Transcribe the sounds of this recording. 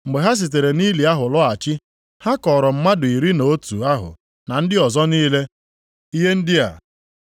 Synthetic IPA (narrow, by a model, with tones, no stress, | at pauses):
ŋ͡m̩˨ɡ͡be˨ɦa˦s̬i˨t̬e˨ɾe˨ni˦li˨a˦ɦʊ˨lɔ˦a˨t͡ʃɪ˦ | ha˦kɔ˨ɾɔ˨m̩˦ma˦dʊ˨i˨ɾi˦no˨o˦tu˨a˦ɦʊ̰˨ | na˨n̩˦dɪ˦ɔ˨zɔ˦niː˦le˦ | i˦ɦe˦n̩˦dɪ˦a̰˨